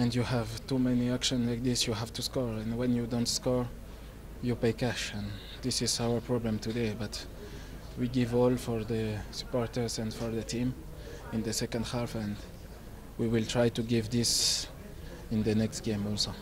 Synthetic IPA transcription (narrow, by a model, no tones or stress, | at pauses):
ɛ̃ndjuhævt̪umɛniækʃɔ̃nlajk̚ðɪsjuɦævt̪uskɔɹɛ̃nwɛ̃njudɔ̃ntskɔɹ | jupejkæʃɛ̃n | d̪ɪsɪzawə˞pɹɔblɛ̃mt̪udebat̪ | wiɡivɔlfɔɹðəsə̥pɔɹt̪ə˞zɛ̃ndfɔɹðət̪ʰĩm | ɪ̃nðəsɛkə̃ndhafɛ̃n | wiwilt̪ʰɹajt̪uɡivðɪs | ɪ̃nðənɛkstɡ̥ẽmɔlso